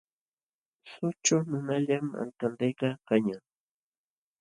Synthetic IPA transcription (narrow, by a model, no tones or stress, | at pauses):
sʊt͡ʃʊnʊnaʎama̰lt̪ant̪ajkakaɲa